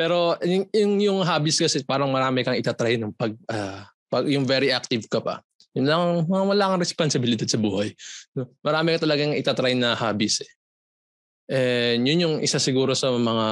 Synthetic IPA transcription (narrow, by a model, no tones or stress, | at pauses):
pɛːɾo̞jʊŋjʊŋɦaːbɪskɐsɛpaːɾɐŋmɐɾaːmɪkɐŋɪt̪at̪ɾɐjnʊŋpɐɡ̚a | pɐɡjʊŋvɛɾiʔak̚t̪ɪvkɐpɐ̰ | jʊnlaŋmɐŋɐwɐlaːkɐŋɾɛsponsɪbɪlɪd̪ad̪sɐbuːhɐjno̞mɐɾaːmɪkɐt̪ɐlɐɡaŋʔɪt̪at̪ɾɐjnɐhaːbɪsɛ̥ | ʔɛjʊnjʊŋʔɪ̰sasɪɡuːɾo̞sɐmɐŋa